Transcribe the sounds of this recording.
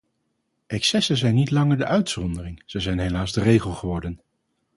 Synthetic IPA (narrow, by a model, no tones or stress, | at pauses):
ɛksɛsəzɛjnːitlɑŋəɹdəʔœɥtsɔndərɪŋz̥əjzɛjnɦejlaːzdərejχəlˠχəʋɔɹdən